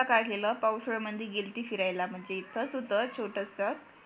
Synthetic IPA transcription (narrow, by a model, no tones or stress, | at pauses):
akajɡeləpawsɭəməd̪ʱiɡelt̪iːfiɾajlam̤əɳd͡zet̪ʰəsud̪ʱːət͡ɕʰoʈəsət̪